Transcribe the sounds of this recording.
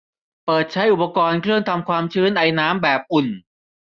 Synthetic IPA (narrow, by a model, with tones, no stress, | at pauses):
pɤː˨˩t̪̚t͡ɕʰa˦˥jʔu˨˩pːa˧kɔː˧nkʰɾɯ˥˩əŋt̪ʰa˧mkʰwaː˧mt͡ɕʰɯː˦˥nʔa˧jnaː˦˥mbɛː˨˩p̚ʔu˨˩n